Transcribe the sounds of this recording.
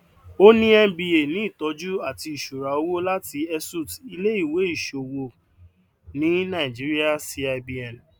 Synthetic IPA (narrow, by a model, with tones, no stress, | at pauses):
o˦nĩ˦ɛ˧bi˧e˨nĩ˨˦i˦˨tɔ˨˦d͡ʒu˦a˦˨ti˧i˨ʃu˨ɾa˨o˧wo˦la˦ti˧ɛ˧su˦˨ti˧le˦i˦˨we˨˦i˦˨ʃo˨wo˧ | nĩ˨˦nã˨i˨d͡ʒi˨˦ɾi˦a˦si˧˦a˧bi˧ɛ̃˨n˨